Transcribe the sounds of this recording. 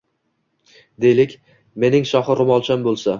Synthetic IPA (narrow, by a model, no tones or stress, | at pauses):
d̪e̞jlɪkʲ | me̞nɪŋʃɒχɨɾɪmɒlˠt͡ʃʰambolˠsa